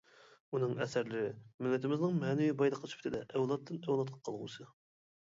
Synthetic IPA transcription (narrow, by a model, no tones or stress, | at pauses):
unɨŋɛsæɾlɪɾɪmɪlːɪt̪ʰɪmɪznɪŋmɛnɪwibɑjd̪əqʰlt͡ʃ̪ʰy̥pt̪ʰɪd̪ɛʔɛwlˠɑt̪ʰːɪnɛwlˠɑt̪̚qʰɑ̥qʰɑlˠʁṵsɨ